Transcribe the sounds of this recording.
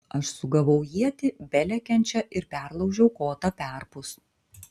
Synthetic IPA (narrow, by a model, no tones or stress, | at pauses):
ɐʃsʊɡɐʋɐʊjiɛt̪ʲɪbʲɛlʲɛkʲɛnʲt͡ʃʲɛʔɪɾpʲæˑɾlˠɒʊʒʲɛʊkoːt̪ɐpʲæˑɾpʊs